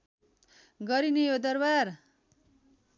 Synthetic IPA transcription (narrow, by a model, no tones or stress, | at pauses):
ɡʌɾinejod̪ʌrbar